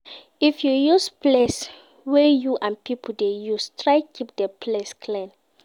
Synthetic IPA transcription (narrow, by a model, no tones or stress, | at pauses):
ifjujusples | wɛjuʔãnpipʰl̩dejustʰɹajkʰip̚dɛpʰleskʰlɛ̃n